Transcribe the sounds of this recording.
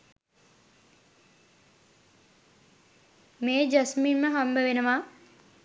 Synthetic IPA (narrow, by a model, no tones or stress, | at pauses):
meːd͡ʒasminməɦambəʋenəʋaː